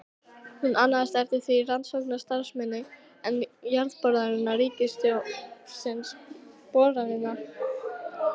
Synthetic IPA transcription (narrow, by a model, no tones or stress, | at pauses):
hunʔaːnːaðst̪ɛvt̪ɪ̥θvirant̪sowknḁst̪aɾ̥smɛnːɪ | ɛnjaɾðpɔɾðaɾɪnːariːcɪst̪josɪnspɔːɾaɾɪnːa